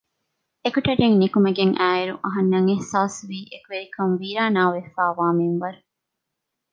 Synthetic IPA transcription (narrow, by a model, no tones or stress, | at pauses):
ekuʈɐɖeŋnikumɐɡeŋʔæːiɾuʔɐɦɐnːɐŋehsaːsʋiːʔekuʋeɾikʰɐŋʋiːɾaːnaːʋefaːʋaːmiŋʋɐɾu